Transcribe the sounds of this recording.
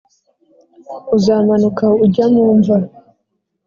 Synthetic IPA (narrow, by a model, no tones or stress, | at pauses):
uzaːmanukauɟamuːɱva